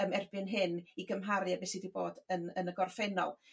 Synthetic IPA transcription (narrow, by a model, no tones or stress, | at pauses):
əmɛrbɪnɦɪniɡəmɦaɾɨabɛsidibo̰ːdənənəɡɔrfɛnɔ̰lˠ